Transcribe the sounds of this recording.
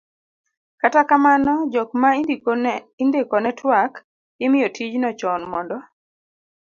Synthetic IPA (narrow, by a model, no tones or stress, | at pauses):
katakamanɔd͡ʒɔkma | indekɔnɛtwak | jɪmɪjotʰid͡ʒnɔt͡ʃɔnmɔndɔ